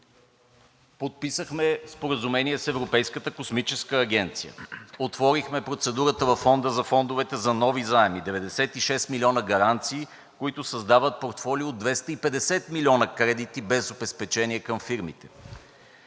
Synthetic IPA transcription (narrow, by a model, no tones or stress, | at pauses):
pot̪̚pisəxmɛspoɾəzumɛnʲiɛsɛvɾopɛjskət̪əkosmit͡ʃɛskəːɡ̟ʲɛnt̪sijə̰ot̪vɔɾixmɛpɾot̪sɛd̪uɾət̪əvɐfɔnd̪əzɐfɔnd̪ovɛt̪ɛzɐnɔvizaɛmid̪ɛvɛd̪ɛsɛt̪iʃɛst̪milʲiɔnəɡɐɾant̪siː | koit̪ʊsɐzd̪avət̪̚poɾt̪fɔliod̪vɛst̪əipɛd̪ɛsɛt̪milʲiɔnəkɾɛd̪it̪ibɛzobɛspɛt͡ʃɛniɛkəmfiɾmit̪ɛ̥